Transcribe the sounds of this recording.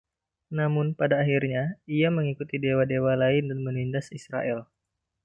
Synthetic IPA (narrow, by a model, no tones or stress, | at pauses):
namʊnpadaːɦirɲaiaməŋikut̪idewadewalaɪndanmənindasisɾa̰ʔɛl